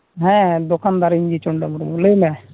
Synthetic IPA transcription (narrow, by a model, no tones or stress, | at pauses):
ɦɛ̃d̪ʊkand̪aːɾiɲd͡ʒit͡ʃʊɳɖamʊɾmulemɛ̃